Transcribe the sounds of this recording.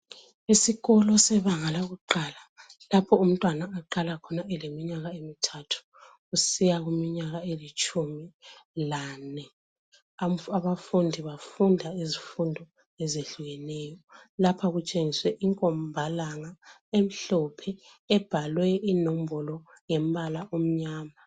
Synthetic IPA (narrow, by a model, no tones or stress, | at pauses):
isiɣɔlɔsɛβaŋalaɣuǃalalapʰɔum̩tʼwanaːǃalakʰɔnaɛlemiɲaɣaemitʰatʰu̥ | ɣusijaɣumiɲaɣaelit͡ʃʼumilaːnɛ | aβafundʱiβafundʱaizifundʱɔ | ɛzeɬuɣɛnɛːjɔlapʰaɣut͡ʃʼeŋiswɛʔiŋkʼɔmbʱalaŋa | em̩ɬɔpʰɛː | b̥ʱalwɛinom̩bɔlɔ | ŋɛm̩balaʔom̩ɲaːma